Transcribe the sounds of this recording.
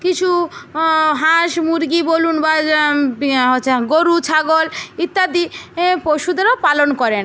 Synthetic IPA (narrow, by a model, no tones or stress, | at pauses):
kit͡ɕʰu | ɦãʃmuɾɡibolunba | ɦoeɡoɾut͡ɕʰaɡolit̪ːad̪ipoʃud̪eɾopalonkɔɾen